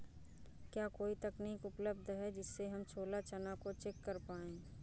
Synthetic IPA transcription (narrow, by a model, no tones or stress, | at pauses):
kjaːkoːit̪ɐkniːkʊpləb̚d̪ʱɦɛd͡ʒɪsːeɦɐmt͡ʃʰoːlat͡ʃənakot͡ʃekːəɾpaːẽː